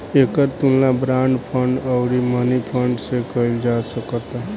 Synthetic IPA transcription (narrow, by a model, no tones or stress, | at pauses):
ekəɾt̪unlabɾãɳɖpʰəɳɖəwɾimənipʰəɳɖsekəild͡ʒasəkət̪a